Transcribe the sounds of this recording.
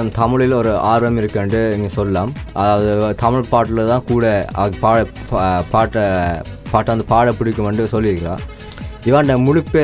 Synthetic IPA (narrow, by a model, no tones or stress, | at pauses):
t̪ɐmɪɻɪlɔɾɯaːɾʋɐmɪɾɯkːeɳɖɯɛŋɡɐsɔlːɐlaːmɐðaːʋɐðɯt̪ɐmɪɻpaːʈːɪlɐt̪ãːkuːɽɐɐpaːɽɐ | paːʈːɐ | paːʈːaːnd̪ɐpaːɽɐpːɪɽɪkːɐmʋɐɳɖɯsɔlːɪɾɯkːɪɾa̰ː | ɪʋaːnɖ̪ɐmʊɻɪpːe